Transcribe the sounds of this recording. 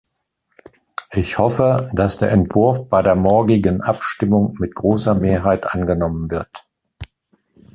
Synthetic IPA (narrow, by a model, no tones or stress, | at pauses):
ʔɪçhɔfəd̥asd̥eːɐɛntv̥ʊɐfb̥aɪdeːɐmɔɐɡɪɡənʔapʃtɪmʊŋmɪtɡ̥ʁoːsɐmeːɐɦaɪtʔanɡənɔmənvɪɐt